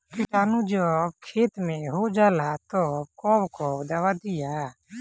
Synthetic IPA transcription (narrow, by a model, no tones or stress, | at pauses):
kɪʈaːnũd͡ʒokʰeːt̪mẽɦod͡ʒaːlat̪okɔːbkod̪aːwad̪ija